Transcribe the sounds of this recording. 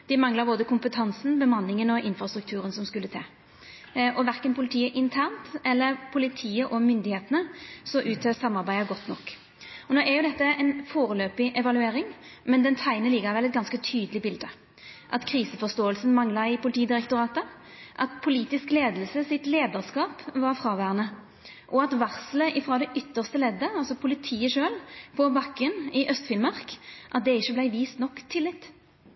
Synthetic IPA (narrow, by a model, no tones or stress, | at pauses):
d̪̥ɛmɑŋləʁboːd̪əkʰʊmpət̪ʰɑnsn̩bəmɑnːɪŋənɔɪnfɾɑst̪ɾʉk̚t̪ʰʉːʁɾənsɔmskʉlːət̪ʰɑ̰ː | ɔʋæʁkənpʰʊlɪt̪ʰiːəʔɪnt̪ʰæʁnt̪ɛlːəɾpʰʊlɪt̪ʰiːəʔɔmʏnd̪ɪheːt̪ənəsɔʔʉːt̪ʰøːsɑmːɑʁbæɪəɡɔt̪nɔkː | ɔnoːæjʊd̪ɛt̪ːəɛnfoːɾəløːpɪʔɛʋɑlʉeːɾɪŋmɛnd̪ɛnt̪ʰæɪnəlɪɡəʁʋɛlɛt̪ɡɑnskət̪ʰyːd̪əlɪbɪld̪ə | ʔɑt̪kʰʁiːsəfɔst̪oːəlsn̩mɑŋlɑɪpʰʊlɪt̪ʰiːd̪ɪʁɛkt̪ʊʁɑːt̪ə | ʔɑt̪pʰʊliːt̪ɪskleːd̪əl̩səsɪt̪leːd̪əʁskɑːpʋɑʁfɾɑːʋæːʁənə | ʔɔɑt̪ʋɑʁsləʔɪfɾɑːd̪ɛʔʏt̪ːəʁst̪əlɛd̪ːəɑlsɔpʰʊlɪt̪ʰiːəʂøːlpʰɔbɑkːənɪʔœst̪fɪnmɑʁkʔɑt̪̚d̪ɛɪçːəblæɪʋiːst̪nɔkːt̪ʰːɪlːɪt̪ː